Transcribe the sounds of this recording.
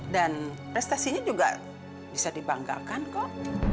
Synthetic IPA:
dan | pɾɛst̪asiɲad͡ʒuɡa̰ | bisadiba̰ŋɡa̰kankɔʔ̚

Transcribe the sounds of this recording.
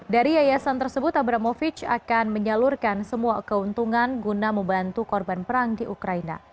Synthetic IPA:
daɾiajasant̪ərsəbʊt̪abɾamofit͡ʃa̰kanməɲalurkansəmuakəɦunt̪uŋanɡunaməmbant̪ukɔrbanpəɾaŋdiʔukɾaina̰

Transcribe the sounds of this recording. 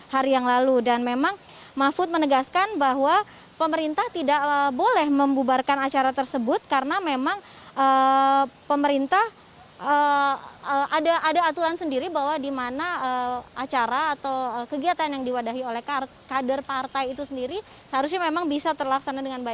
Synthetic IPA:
haɾijaŋlaludanmemaŋ | mafʊt̪̚mənəɡaskanbaɦwa | pəməɾint̪aht̪idaʔəbolɛhməmbubarkanat͡ʃaɾat̪ərsəbʊt̪̚kaɾənamemaŋ | ʔə | pəməɾint̪ah | ə | əʔadaʔːdaːt̪uɾansəndiɾibaɦwadimanaəat͡ʃaɾaːt̪awəkəɡiat̪anjaŋdiwadaɦiolɛhka | kadərpart̪ajit̪usəndiɾi | səɦaɾus̬ɲamemaŋbisat̪ərlaksanadəŋanba

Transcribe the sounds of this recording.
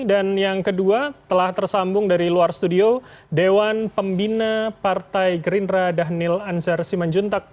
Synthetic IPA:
danjaŋkəduat̪əlaht̪ərsambʊŋdaɾiluarst̪udio | dewanpəmbinapart̪ajɡɾinɾadaɦnɪlansərsimand͡ʒunt̪ak̚

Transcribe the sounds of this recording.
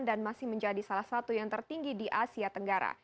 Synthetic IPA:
ndanmasɪhməɲd͡ʒadisalahsat̪ujaŋt̪ərt̪iŋɡidiʔasiat̪əŋɡaɾa̰

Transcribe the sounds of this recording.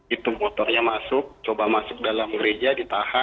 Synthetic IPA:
it̪ʊmɔt̪ɔrɲamasʊk̚t͡ʃobamasʊk̚dalamɡɾed͡ʒadit̪aha

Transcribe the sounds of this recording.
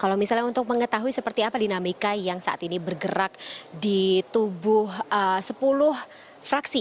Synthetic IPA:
kalawmisalɲaunt̪ʊk̚məŋət̪aɦuisəpərt̪iapadinamikajaŋsaʔa̰t̪inibərɡəɾak̚dit̪ubʊhəsəpulʊh | fɾaksi

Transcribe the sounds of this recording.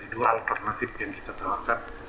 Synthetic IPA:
iduaalt̪ɛrnat̪ɪfjaŋkit̪at̪awarkan

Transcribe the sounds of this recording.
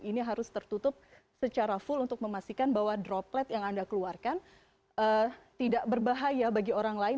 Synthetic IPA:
iniɦaɾʊst̪ərt̪ut̪ʊp̚ | sət͡ʃaɾafʊlunt̪ʊk̚məmast̪ikanbaɦwadɾɔplɛt̪jaŋandakəluarkan | ʔət̪idaʔbərbaɦajabaɡioɾaŋlaɪ

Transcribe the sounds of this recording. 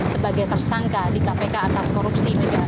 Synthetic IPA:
səbaɡajt̪ərsaŋkadikapekaːt̪askoɾupsimaɡa

